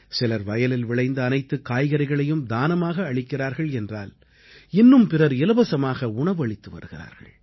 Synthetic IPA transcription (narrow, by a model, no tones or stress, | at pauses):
sɪlɐɾʋɐjɐlɪlʋɪɭɐɪnd̪ɐːnɐɪt̪ːɯkːaːjɣɐɾɐɪɣɐɭɐjɯmd̪aːnɐmaːɣɐːɭɪkːɪraːɾɣɐɭɛndraːl | ɪnːɯmpɪrɐɾɪlɐbɐsɐmaːɣɐʊɳɐʋɐɭɪt̪ːɯʋɐ̰ɾɯɣɪra̰ːɾɣɐ̰ɭ